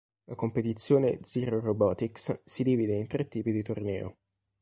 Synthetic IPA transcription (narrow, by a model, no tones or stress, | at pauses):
lakompet̪it̪sːjoːnḛd̪ziɾorobɔːt̪ikssid̪iːvid̪eint̪ɾet̪ːiːpid̪it̪ornɛːo̰